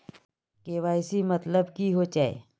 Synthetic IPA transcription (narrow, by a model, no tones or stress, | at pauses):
keːʋaːɪsimɐt̪ləbkiɦot͡ʃaːḛ